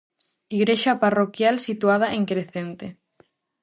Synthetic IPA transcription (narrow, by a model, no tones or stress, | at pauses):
iɣɾeʃaparokjalsit̪uað̞aʔeŋkɾeθent̪e